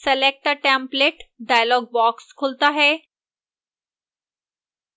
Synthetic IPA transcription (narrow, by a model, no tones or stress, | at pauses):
selek̚ʈəʈæ̃mpleʈɖajlɔɡ̚bɔkskʰolt̪aɦe